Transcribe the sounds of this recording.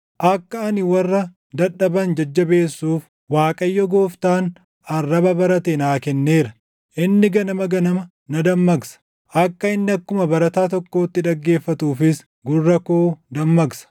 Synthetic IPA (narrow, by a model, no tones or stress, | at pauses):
ʔɐkːɐɐnɪwɐrːɐ | d̪ɐᶑːɐbɐnd͡ʒɐd͡ʒːɐbe̞ːsːuːf | waːkʼɐjːɔɡoːft̪aːn | ɐrːɐbɐbɐɾɐt̪enaːkɛnːeːɾɐ | ʔɪnːɪɡɐnɐmɐɡɐnɐmɐ | nɐd̪ɐmːɐɡsɐ̥ | ʔɐkːɐɪnːɪɐkːʊmɐbɐɾɐt̪aːt̪ɔkːo̞ːt̪ːɪᶑ̪ɐɡːe̞ːfːɐt̪uːfɪs | ɡʊrːɐkoːd̪ɐmːɐɡsɐ̥